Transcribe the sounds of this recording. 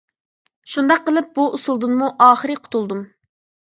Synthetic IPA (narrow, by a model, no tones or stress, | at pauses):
ʃund̪ɑqːəlˠɨp̚buʔusulˠd̪ɨnmuʔɑːχəɾɨqʰʊ̥t̪ʰulˠd̪um